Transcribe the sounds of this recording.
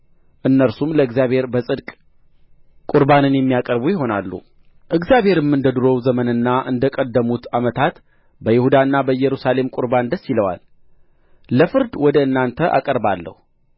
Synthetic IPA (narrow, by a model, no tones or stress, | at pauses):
ʔɨnːəɾsumləɨɡzijaβhe̞ɾbəsʼɨd̪kʼ | kʼuɾbanɨnjɛmːijakʼəɾbujɪɦo̞nalːṵ | ʔɨɡzjaβhe̞ɾɨmːɨnd̪əd̪ɨɾo̞wzəmənɨnːaʔɨ̰nd̪əkʼəd̪ːəmut̪ʰamət̪ʰat̪ | bəjɪhud̪aɨnːabəjɛɾusale̞mkʼʊɾband̪əsːjiləwa̰l | ləfɨɾd̪wɔd̪əɨnːant̪ʰəʔa̰kʼəɾbalːə̰hu